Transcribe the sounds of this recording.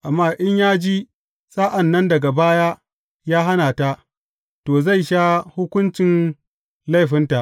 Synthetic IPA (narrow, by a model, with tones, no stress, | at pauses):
ʔa˨mːaː˦˨ʔɪ˦ɲjaː˦d͡ʒi˦ | sʼa˦ʔa˨nːɐ˦ndɐ˨ɡa˨baː˦ja˦ | jaː˦ɦa˦naː˨ta˦ | toː˨za˦˨jʃaː˦hʊ˦kʷʊ˦nt͡ʃɪ˨n | la˦jɸɪ˦nta˨ʔ